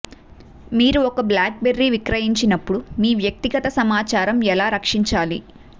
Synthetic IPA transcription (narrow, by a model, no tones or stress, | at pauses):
miːɾuɔkɐblaːk̚beɾːiʋikɾɐjiɲt͡ʃinɐpːuɽumiːʋjɐk̚t̪iɡɐt̪ɐsɐmaːt͡ʃaːɾɐmɛlaːɾɐkʂiɲt͡ʃaːlḭ